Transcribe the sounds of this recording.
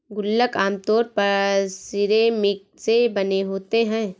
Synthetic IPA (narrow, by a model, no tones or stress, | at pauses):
ɡʊlːəkaːmt̪ɔːɾpɐɾsɪɾemɪk̚sebɐneɦoːt̪eɦɛ̃ː